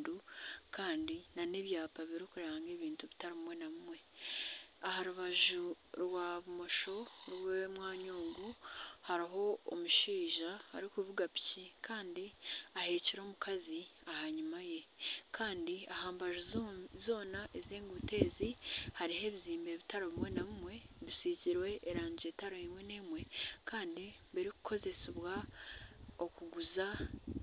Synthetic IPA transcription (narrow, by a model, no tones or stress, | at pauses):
dukaːndinaneːβjaːpaβiɾikuɾaːŋɡe̞ːβiːntuβitaɾimumwe̞naβumwe̞ | ahaɾuβaʒuɾwaβumo̞ʃo̞ɾwemwaːɲoːŋɡuhaɾiɦo̞̰ːmuʃiːʒaa̰ɾikuβuɡapi̥cikʰaːndiahe̞ːciɾo̞ːmukʰaziahaɲumaje̞kʰaːndiahaːmbaʒozo̞ːnaʔezeːŋɡuute̞ːzihaɾihe̞ːβiziːmbe̞βitaɾoβiwenaβimwe̞βisiciɾwe̞ʔːɾaːɲɟie̞taɾoimweneːmwe̞kaːndi | βiɾiku̥kʰo̞ze̞seβwa | okuɡuza